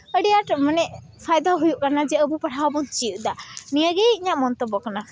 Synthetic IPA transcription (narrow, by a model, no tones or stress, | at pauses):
əɖijaʈmənɛʔ | pʰajd̪aɦujuʔkanad͡ʒɛəbupaʈʰawabɔnt͡ʃijuʔd̪aniəɡeiɲaʔmɔnt̪ɔbɔkana